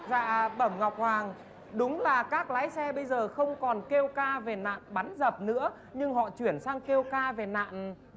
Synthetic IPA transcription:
za̰ː˧˨ɓə˧˩mŋa˨˩wk͡p̚hwaː˨˩ŋ | ɗʊ˨˦ŋ͡mlaː˨˩kaː˦˥k̚laː˨˦jsɛ˧ɓə˧jzəː˨˩xə˧wŋ͡mkɔ˨˩nke˧wkaː˧ve˨˩na̰ː˧˨nɓa˨˦nzə˨˩p̚nɨ̰˧˥ə | ɲɨ˧ŋɦɔ̰˧˨t͡ɕwi˧˩ənsaː˧ŋke˧wkaː˧ve˨˩na̰ː˧˨n

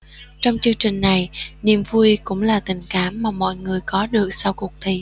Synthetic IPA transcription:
t͡ɕɔ˧wŋ͡mt͡ɕɨ˧əŋt͡ɕï˨˩ŋ̟na˨˩jnḭ˧˨əmvu˧jkʊ̰˧˥ŋ͡mlaː˨˩t̪ï˨˩ŋ̟kaː˧˦mːaː˨˩mɔ̰˧˨jŋɨ˨˩əjkɔ˨˦ɗɨ˨˩ək̚sa˧wkʊ˨˩ək̚t̪ʰi˧˩

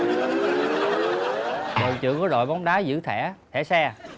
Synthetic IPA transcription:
ɗə˨˩wt͡ɕɨ̰˧˨kɔ˨˦ɗo̰˧˨jɓɔ˨˦wŋ͡mɗaː˨˦zɨ̰˧˥t̪ʰɛ˧˩t̪ʰɛ˧˥sɛ˧

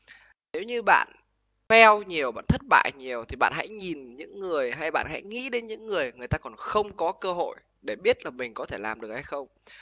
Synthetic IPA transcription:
ne˨˦wɲɨ˧ɓa̰ː˧˨n | fɛ˧wɲi˨˩əwɓa̰ː˧˨nt̪ʰə˦˥t̚ɓa̰ː˧˨jɲi˨˩əwt̪ʰi˨˩ɓa̰ː˧˨nɦa̰˧˥jɲi˨˩nɲɨ̰˧˥ŋːɨ˨˩əjɦa˧jɓa̰ː˧˨ɦɛ̰˧˥jŋḭ˧˥ɗe˨˦nɲɨ̰˧˥ŋːɨ˨˩əjŋɨ˨˩əjt̪aː˧kɔ˨˩nxə˧wŋ͡mkɔ˨˦kəː˧ɦo̰˧˨j | ɗe˧˩ɓi˦˥ət̚laː˨˩mï˨˩ŋ̟kɔ˨˦t̪ʰe˧˩laː˨˩mɗɨ˨˩ək̚ha˧jxə˧wŋ͡m

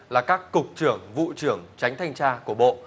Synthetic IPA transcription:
laː˨˩kaː˦˥kːʊ˨˩k͡p̚t͡ɕɨ˧˩əŋvṵ˧˨t͡ɕɨ˧˩əŋt͡ɕa˨˦jŋ̟t̪ʰa˧jŋ̟t͡ɕaː˧ku˧˩əɓo̰˧˨

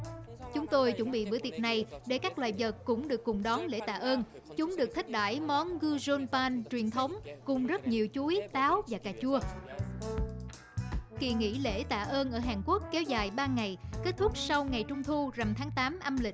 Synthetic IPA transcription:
t͡ɕʊ˨˦ŋ͡mt̪o˧jt͡ɕə˧˩ŋ͡mɓḭ˧˨ɓɨ̰˧˩t̪i˨˩ət̚na˨˩jɗe˧˩kaː˦˥k̚lwaː˨˩jvə˨˩t̚kʊ̰˧˥ŋ͡mɗɨ˨˩əkːʊ˨˩ŋ͡mɗɔ˨˦nlḛ˧˥t̪aː˧˩ʔəː˧n | t͡ɕʊ˨˦ŋ͡mɗɨ˨˩ək̚t̪ʰi˦˥k̚ɗa̰ː˧˩jmɔ˨˦nɣɨ˧zo˧npaː˧nt͡ɕwi˨˩ənt̪ʰə˨˦wŋ͡mkʊ˨˩ŋ͡mzə˦˥t̚ɲi˨˩əwt͡ɕu˨˦jt̪aː˨˦wvaː˨˩kaː˧˩t͡ɕu˧ə | kḭ˧˨əŋḭ˧˥lḛ˧˩t̪a̰ː˧˨ʔəː˧nʔəː˧˩ɦaː˨˩nku˦˥əkːɛ˨˦wzaː˨˩jɓaː˧ŋa˨˩jke˦˥t̚t̪ʰʊ˦˥k͡p̚sa˧wŋa˨˩jt͡ɕʊ˧ŋ͡mt̪ʰu˧za˨˩mt̪ʰaː˨˦ŋt̪aː˨˦mʔa˧mlï˨˩

